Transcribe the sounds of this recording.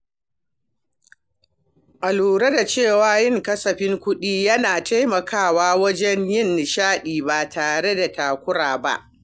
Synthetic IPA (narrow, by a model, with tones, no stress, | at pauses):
ʔa˨luː˨ɾe˦da˨t͡ʃeː˦˨waː˦jɪ˦˨ŋkɐ˦sɐ˨ɸɪ˦ŋkʷʊ˦ɗiː˦jɐ˦naː˨ta˦jmɐ˨kʰaː˦˨waː˦wɐ˦d͡ʒɛ˦ɲjɪ˦˨nːɪ˨ʃaː˦ɗiː˨ba˨tʰaː˨ɽe˦da˨taː˨kʷʊ˦ɽaː˨ba̰˦ʔ